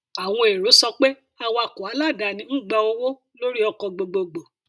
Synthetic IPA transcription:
a˨w̃ɔ̃˧e˨ɾo˨˦sɔ˧k͡pe˦ | a˧wa˧ko˨a˨˦la˦˨da˨nĩ˨˧˦n̩˦ɡ͡ba˧o˧wo˦ | lo˦ɾi˦ɔ˧kɔ˧ɡ͡bo˨ɡ͡bo˧ɡ͡bo˨

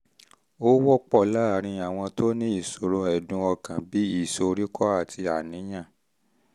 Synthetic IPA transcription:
o˦wɔ˦k͡pɔ˦˨la˦˨ɾ̃ĩ˧a˨w̃ɔ̃˧to˦nĩ˦i˦˨so˨ɾo˧ɛ˨dũ˧˦ɔ˧kã˨bi˨˦i˦˨so˧ɾi˦kʰɔ˦a˦˨tʰi˧a˨nĩ˨˦j̃ã˦˨

